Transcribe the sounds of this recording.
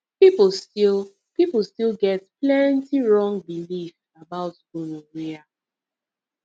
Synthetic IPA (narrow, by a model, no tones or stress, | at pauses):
pip̩stil | pip̩ˠstilɡɛtplɛntiɹɔ̃ŋbilif | abaʊt | onowea